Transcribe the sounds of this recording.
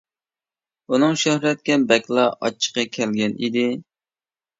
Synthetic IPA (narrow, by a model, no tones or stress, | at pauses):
unɨŋʃøhɾɛt̪̚kʲɛbɛkʲlˠɑʔɑ̰t͡ʃʰːə̥qɑkʲʰɛlɡʲɛnʔḭd̪ɪ